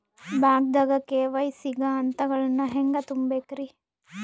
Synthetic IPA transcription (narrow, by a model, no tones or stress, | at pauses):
baːɡ̚d̪ɐɡɐkːeːʋɐjsiɡɐːnt̪ɐɡɐɭɐnːɐɦeŋɡɐt̪umbekɾi